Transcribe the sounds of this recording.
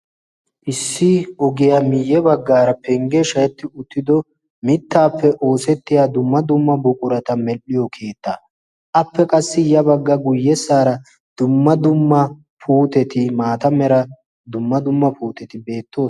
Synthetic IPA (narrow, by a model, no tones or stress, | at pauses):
ʔɪsːɪɔɡɪjamɪjːɛbɐɡːaːɾɐpɛŋɡɛʃɐjɛt̪ːɪʊt̪ːɪd̪ɔ | mɪt̪ːaːpːɛʔo̞ːsɛt̪ːɪjaːd̪ʊmːɐd̪ʊmːɐbʊkʼʊɾɐt̪ɐmɛlːɪjɔkʰe̞ːt̪ːa̰ː | ʔɐpːɛkʼɐsːɪjɐbɐɡːɐɡʊjːɛsːaːɾɐ | d̪̥ʊmːɐd̪ʊmːɐ | pʰuːt̪ɛt̪ɪmaːt̪ɐmɛɾɐ | d̪ʊmːɐd̪ʊmːɐpuːt̪ɛt̪ɪbe̞ːt̪ːo̞ː